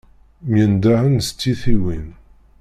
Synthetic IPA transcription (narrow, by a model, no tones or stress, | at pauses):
mjənd̪ahənst͡sːiθiwin